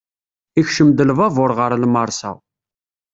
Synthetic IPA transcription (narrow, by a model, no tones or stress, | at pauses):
içʃəmd̪əlvævʊɾʁəɾlməɾˤsæ̰